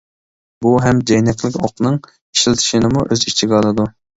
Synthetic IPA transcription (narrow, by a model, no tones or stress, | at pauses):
buɦɛmd͡ʒɛjnɛkʲʰlɪkʲʰoqnɨŋ | i̥ʃilt̪ʰɪ̥ʃinɨmuʔøzit͡ʃʰiɡʲɛɑlˠɨd̪u